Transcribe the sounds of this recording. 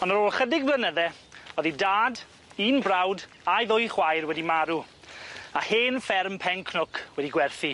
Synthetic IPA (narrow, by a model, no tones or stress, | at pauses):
ɔnəɾoːlˠχədɪɡblˠənəðɛ | ɔðidaːd | iːnbrawd | aɨðʊjχwajrwɛdimaɾu | aheːnfɛrmpʰɛŋkʰnʊkʰwɛdiɡwɛrθi